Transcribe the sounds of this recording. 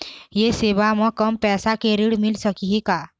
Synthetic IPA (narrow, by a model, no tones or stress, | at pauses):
jeseʋamə̃kəmpɛsakeɾiɽmilsəkiɦika